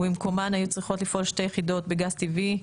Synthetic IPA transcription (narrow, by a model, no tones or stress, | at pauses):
imko̞manajut͡sʁiχo̞tlifʔo̞lʃte̞jeχido̞tbeɡazt̪ivi